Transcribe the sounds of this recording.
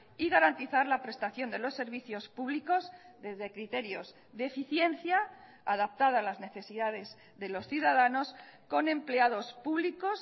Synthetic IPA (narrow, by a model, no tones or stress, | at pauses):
iɣaɾant̪iθaɾlapɾe̞st̪aθjo̞nd̪e̞lo̞sːe̞ɾβ̞iθjo̞spuβliko̞zðe̞zðe̞kɾit̪e̞ɾjo̞z | ðefiθje̞n̟θja | aðap̚t̪aðaːlazne̞θe̞siðaðe̞z | ðe̞lo̞sθjuðaðano̞sko̞nẽ̞mple̞aðo̞spuβliko̞s